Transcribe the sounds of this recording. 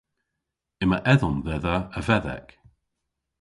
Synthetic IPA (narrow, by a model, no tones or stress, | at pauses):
ɪməʔɛðɔnðɛðəəvɛðɛ̰k